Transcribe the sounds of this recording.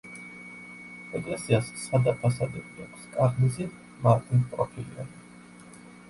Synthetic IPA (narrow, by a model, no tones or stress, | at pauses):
ɛɡʼlɛsiassad̪apʰasad̪ɛbʼiakʷʰskʼaʁʼmizi | maɾt̪ʰʼinpʼɾɔpʰilḭa̰n